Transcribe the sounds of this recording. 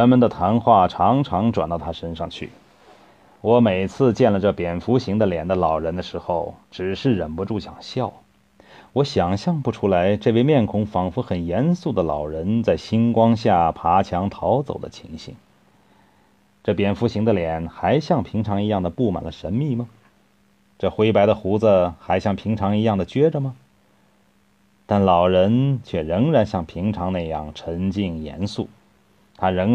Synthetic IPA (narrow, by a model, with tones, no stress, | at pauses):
ɻə˧˥nmə˨nd̪ə˧t̪ʰa˧˥nxwa˥˩ʈ͡ʂʰɑ˧˥ŋʈ͡ʂʰɑ˧˥ŋʈ͡ʂwa˨˩nt̪ɑ˥˩ʊt̪ʰa˥ʂə˥nʂɑ˥˧ŋt͡ɕʰy̰˥˩ | wɔ˧˥me˨˩ɪt͡sʰɹ̩˥˧t͡ɕjɛ˥˩nlə˩ʈ͡ʂɤ˥˩pjɛ˨˩nfu˧˥ɕi˧˥ŋd̪ə˧ljɛ˨˩nd̪ə˧lɑ˨˩ʊɻə˧˥nd̪ə˧ʂɻ̩˧˥xo˥˧ʊʈ͡ʂɻ̩˨˩ʂɻ̩˥˩ɻə˨˩npu˧˥ʈ͡ʂu˥˩ɕjɑ̰˨˩ŋɕjɑ˥˩ʊ | wɔ˧˥ɕjɑ˨˩ŋɕjɑ˥˧ŋpu˥˩ʈ͡ʂʰu˥la˧˥ɪʈ͡ʂɤ˥˧we˥˧ɪmjɛ˥˩nkʰʊ˧˥ŋfɑ˨˩ŋfu˧˥xə˨˩njɛ˧˥nsu˥˩d̪ə˩lɑ̰˨˩ʊɻə˧˥nt͡sa˥˩ɪɕi˥nkwɑ˥ŋɕja˥˩pʰa˧˥t͡ɕʰjɑ˧˥ŋt̪ʰɑ˧˥ʊt͡so̰˨˩ʊd̪ə˦t͡ɕʰi˧˥ŋɕḭ˧˩ŋ | ʈ͡ʂɤ˥˩pjɛ˥nfu˧˥ɕi˧˥ŋd̪ə˧ljɛ˨˩nxa˧˥ɪɕjɑ˥˩ŋpʰi˧˥ŋʈ͡ʂʰɑ˧˥ŋi˧˥jɑ˥˩ŋd̪ə˩pu˥˩ma̰˨˩nlə˦ʂə˧˥nmi˥˩mə˩ | ʈ͡ʂɤ˥˩xwe˧˥ɪpa˧˥ɪd̪ə˧xu˧˥d͡zə˧xa˧˥ɪɕjɑ˥˩ŋpʰi˧˥ŋʈ͡ʂʰɑ˧˥ŋi˧˥jɑ˥˩ŋd̪ə˩t͡ɕɥɛ˥ʈ͡ʂə˧mə˩ | t̪a˥˩nlɑ˨˩ʊɻə˧˥nt͡ɕʰɥɛ˥˩ɻɤ˧˥ŋɻa˧˥nɕjɑ˥˩ŋpʰi˧˥ŋʈ͡ʂʰɑ˧˥ŋna˥˧ɪjɑ̰˥˩ŋʈ͡ʂʰə˧˥ŋt͡ɕi˥˩ŋjɛ̰˧˥nsṵ˥˩ | t̪ʰa˥ɻɤ˧˥ŋ